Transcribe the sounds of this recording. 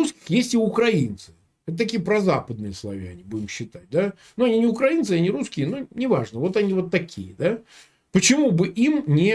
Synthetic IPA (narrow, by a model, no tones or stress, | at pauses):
uskʲɪ̥xjesʲtʲɪʊkɾɐint̪sɨ̥ | ɛt̪ət̪ɐkʲijəpɾɐzapəd̪̚nɨjəslˠɐ̰vʲæ̰nʲɪbudʲɪmɕːɪt̪at̚ʲd̪a | nuɐnʲinʲɪʊkɾɐinsɨɐnʲɪɾuskʲɪənunʲɪvaʐnəvo̞t̪ɐnʲivo̞t̪ːɐkʲḭjəd̪a | pət͡ɕɪmubɨʔimnʲɪ